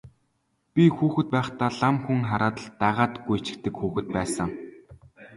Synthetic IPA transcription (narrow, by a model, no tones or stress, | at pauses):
pʲixuːxɘ̆t̪̚pæːχt̪aːɮamxuŋχaɾaːt̪ə̆ɮt̪aʁaːt̪ɡujʰt͡ɕɪ̥̆k̚t̪ɘ̆kxuːxɘ̆t̪̚pæːsə̆ŋ